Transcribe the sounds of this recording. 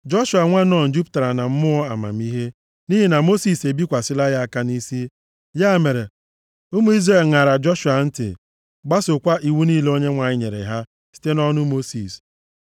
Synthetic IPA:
d͡ʒɔ˦ʃu˨a˨ŋʷa˦nɔ˦˨n̩˨˦d͡ʒu˦pta˨ɾa˨na˨m̩˦mʊ˦ɔ˦a˨ma̰˨m̩˦i˦ɦe˦ | ni˦ɦi˨na˨mo˦si˨se˨bi˦kʷa˨sɪ˦la˦ja˦a˦ka˦ni˦si˦ | ja˦˨me˨ɾe˨ | ʊ˦mu˦i˦zɾe˦˨lŋa˨ɾa˨d͡ʒɔ˦ʃu˨a˨n̩˦tɪ̰˨ | ɡ͡ba˦sʊ˨kʷa˦ʔi˨wu˦niː˦lo˦ɲe˦ŋʷa˨ɲɪ˦ɲḛ˨ɾḛ˨ɦa˦ | si̥˦te˦nɔ˦nʊ˦mo˦si˨s

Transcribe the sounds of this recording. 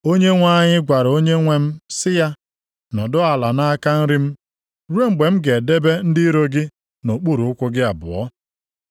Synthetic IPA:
o˦ɲe˦ŋʷa˦ɲɪ˦ɡʷa˨ɾo˦ɲe˦ŋʷe˦m̩˦sɪ˦ja˦ | nɔ˨dʊ˦a˨la˨na˦ka˦n̩˦ɾɪ˦m̩˦ | ɾu˦e˦ŋ͡m̩˦˨ɡ͡be˨m̩˦ɡe˨de˦be˦n̩˦di˦ɾo˦ɡɪ˦ | no˨k͡pu˦ɾu˨ʊ˦kʷʊ˦ɡɪ˦a˨bʊ̰˨ɔ̰˦

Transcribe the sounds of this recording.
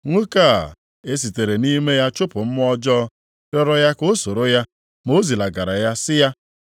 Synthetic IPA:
ŋʷu˦ka˦˨ | e˦s̬i˨te˨ɾe˨ni˦me˦ja˦t͡ʃʊ˦pʊ˨m̩˦m˦ɔ˦d͡ʒɔ˦ | ɾɔ˦ɾɔ˦ja˦ko˦so˨ɾo˦ja˦ | mo˦zi˨la˨ɡa˨ɾa˨ja˦sɪ˦ja˦

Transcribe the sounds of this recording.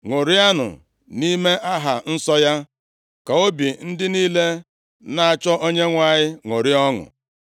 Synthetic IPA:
ŋʷo˨ɾɪ˦a˦nʊ̰˨ | ni˦me˦ʔa˦ɦa˨n̩˦sɔ˦ja˦ | ka˨o˦bi˨n̩˦dɪ˦niː˦le˦ | na˨a˨t͡ʃɔ˦ʔo˦ɲe˦ŋʷa˨ɲɪ˦ŋʷo˨ɾɪ˦ɔ˦ŋʊ̰˨

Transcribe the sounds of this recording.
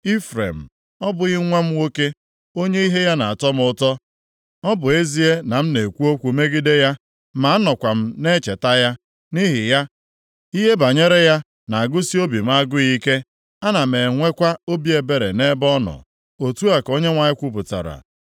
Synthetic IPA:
i˦fɾḛ˨m̩˨ | ɔ˦bʊ˨ɣɪ˦ŋʷe˦m̩˦wo˦ke˦ | o˦ɲe˦i˦ɦe˦ja˦na˨a˨tɔ˦m˦ʊ˦tɔ˦ | ɔ˦bʊ˨e˦zi˦e˦na˨m̩˦ne˨kʷu˦o˦kʷu˨me˦ɡɪ˦de˦ja˦ | ma˨a˦nɔ˨kʷa˨m̩˦ne˦t͡ʃe˨ta˦ja˦ | ni˦ɦɪ˨ja˦ | i˦ɦe˦ba˨ɲe˦ɾe˦ja˦ | na˨a˨ɡʊ˦si˦o˦bi˨m̩˦a˦ɡʊ˦ɣi˦ke˦ | a˦na˨me˨ŋʷe˦kʷa˦o˦bi˦e˨be˨ɾḛ˨ne˦bɔ˦nɔ̰˨ | o˨tu˦a˨ko˦ɲe˦ŋʷa˨ɲɪ˦kʷu˦p̬ʊ˨ta̰˨ɾa̰˨

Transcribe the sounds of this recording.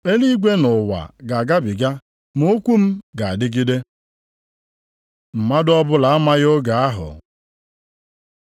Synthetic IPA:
e˦li˦ɡʷe˦nʊ˨wa̰˨ɡa˨ɡa˦bɪ˨ɡa˦ | mo˦kʷu˦m̩˦ɡa˨a˨dɪ˦ɡi˦de˦ | m̩˨ma˦dɔ˦bʊ˦la˨a˦ma˦ɣo˦ɡa˨a˦ɦʊ̰˨

